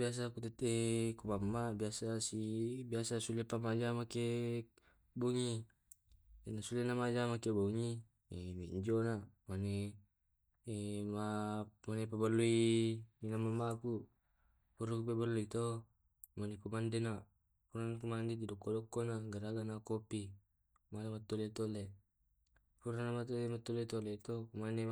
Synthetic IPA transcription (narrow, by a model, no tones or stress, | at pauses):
bias̬akut̪et̪ekumamːabiasasibiasasulepamad͡ʒamake | buŋi | nasulenamad͡ʒamakebuŋi | miiɲd͡ʒonamane | mamanepabalːuininamamaku | puɾukupebaluit̪o | manekumandena | puɾanakumandididɔkːodɔkːonaɡaɾaɡanakopi | manemat̪ːolet̪ole | puɾanamat̪oemat̪ːolet̪olet̪okumane